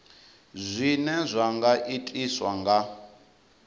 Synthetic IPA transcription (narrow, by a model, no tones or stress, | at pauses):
zʷinɛzʷaŋɡaʔitʼiswaŋɡa